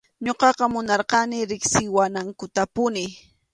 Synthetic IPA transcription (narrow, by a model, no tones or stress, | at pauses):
ɲoqɑqɑmʊnɑɾqɑnɪɾɪksɪwanaŋkʊt̪apʊnɪ